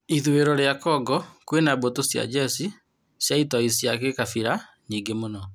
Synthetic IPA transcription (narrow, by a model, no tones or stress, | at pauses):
iðweɾɔɾeakɔɡɔkwenabotosja̰d͡ʒɛsi | sjaitɔisijakekafiɾa | niːŋɡemonɔ